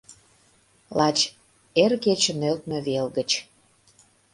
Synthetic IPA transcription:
lɑt͡ɕ | erket͡ɕənølt̪̚mĕβelɣət͡ɕ

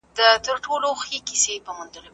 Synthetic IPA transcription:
d̪ət̪əɾʈoloxekisepəmʊnd̪əlo

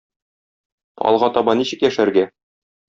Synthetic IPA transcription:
ɒ̰lˠʁɑt̪ɒbɑniɕɘ̆kjæʃæɾɡæ

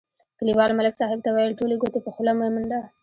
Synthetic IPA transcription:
kəliwɑlmalɪksɑɦɪb̚t̪awajəlʈoleɡot̪epəxʊlamumʊɳɖ̪a

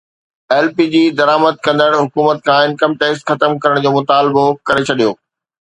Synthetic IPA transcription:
ɛːlpiːd͡ʑiːd̪ɐɾaːməd̪̚kɐ̃nd̪əɽ̃ɦʊkuːmət̪̚kʰãːɪ̃nkəmʈeːsʈxɐt̪əmkɐɾəɽ̃d͡ʑoːmʊt̪aːlbokɐɾet͡ɕʰɐɗijoː

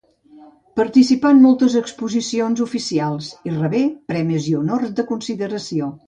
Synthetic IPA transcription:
pəɾt̪isipanmɔlˠt̪əzəkspuzisionzufisialˠsirəβepɾɛmiziunɔrt̪̚d̪əkunsiðəɾəsio

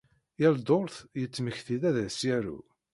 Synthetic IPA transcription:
jæld̪oɾθjət͡sːməçθiðæðæsjæɾṵ

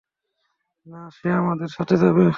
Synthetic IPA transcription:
naʃeamad̪eɾʃatʰet̪ʰabe

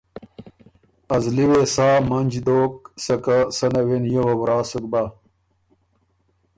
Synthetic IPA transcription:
ɐzliwesaːmɐnd͡ʑd̪oːk̚sɐkasɐnɐwenjewɐbɾaːsuk̚ba

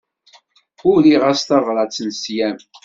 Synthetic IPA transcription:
ʊliʁæst̪ɑvˤɾˤɑt͡sːənsjæm

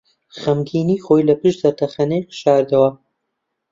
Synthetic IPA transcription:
χɐmɡiːniːxoːjlɐpɨʃd̪ɐɾt̪ʰɐxɐnejqɨ̥ʃaːɾd̪ɐwɐ

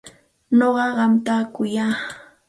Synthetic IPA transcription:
noɢɑɢɑmt̪aːkʊjaː

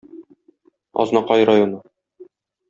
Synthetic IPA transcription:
ɒ̰znɑqɑjɾajonɤ

